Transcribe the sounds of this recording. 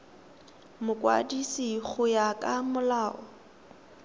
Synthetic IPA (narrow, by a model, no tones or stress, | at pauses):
mʊkʼwa̰disiɣʰʊjakʼamʊlaːʔɔ